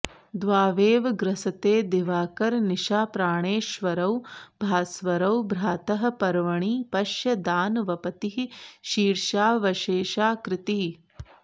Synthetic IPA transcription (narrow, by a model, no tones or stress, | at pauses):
d̪ʋaːʋeːʋɐɡɾɐsɐt̪eːd̪eʋaːkɐɾniʃaːpɾaːɳeːʃʋɐɾɐwbʱaːsʋɐɾɐwbɾaːt̪ɐɦɐ̆pɐɾʋɐɳiːpɐʃjɐd̪aːnʋɐpɐt̪iɦiʃiːɾʃaːʋɐʃeːʃaːkɾɪt̪i